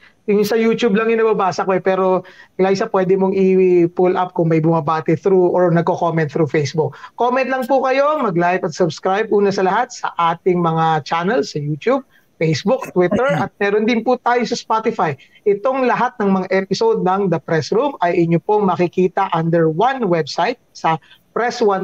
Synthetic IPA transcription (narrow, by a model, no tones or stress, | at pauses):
jʊŋsɐjuːt̪ublɐŋɪnɐbɐbaːsɐkoɛpɛːɾo̞ɡlajsɐpwɛd̪ɛmoŋʔiwɪpulʔɐp̚kʊŋmɐjbʊmɐbaːt̪ɛθɾuʔoɹnɐɡ̚kokomɛnt̪̚θɾufejsbʊkːomɛnt̪lɐŋpʊkɐjo̞mɐɡlajpɐt̪̚sʊbskɾajb̚ʔuːnɐsɐlɐɦat̪̚sɐ̰ʔaːt̪ɪŋmɐŋat͡ʃanɐlsɐjuːt̪jub̚ | fejsbʊk̚t̪wɪt̪ɛɹʔɐt̪̚mɛːɾond̪ɪnpʊt̪aːjosɐspat̪ɪfaj | ʔɪt̪o̞ŋlɐɦat̪̚nɐŋmɐŋaʔɛpɪsod̪̚nɐŋd̪ɐpɾɛsɾumɐjʔɪɲopoŋmɐkɪkiːt̪ɐʔɐnd̪ɛɹwɐnwɛbsajt̪̚sɐ | pɾɛswɐn